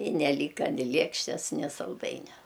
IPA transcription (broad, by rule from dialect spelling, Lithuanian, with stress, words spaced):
ɪ nʲɛˈlʲiːkɐ nʲɪ ˈlʲiɛkʃʲtʲɛs nʲɪ sɐlˠˈdɐɪnʲɛ